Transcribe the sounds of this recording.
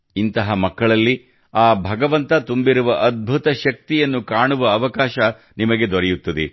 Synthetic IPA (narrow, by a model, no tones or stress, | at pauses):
int̪ɐɦɐmɐkːɐɭɐlːi | aːbʱɐɡɐʋɐnt̪ɐt̪umbiɾuʋɐʔɐd̪̚bʱut̪ɐʃɐk̚t̪ijɐnːukaːɳuʋɐːʋɐkaːʃɐ | nimɐɡe̞d̪ɔɾɛjut̪ːɐd̪e